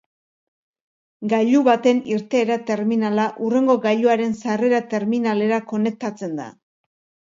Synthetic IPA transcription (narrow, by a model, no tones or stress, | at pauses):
ɡaʎuβat̪e̞niɾt̪e̞ːɾat̪e̞ɾminalaʔure̞ŋɡo̞ɡaʎuaɾe̞nsare̞ɾat̪e̞ɾminale̞ɾako̞ne̞k̚t̪at͡se̞nd̪a̰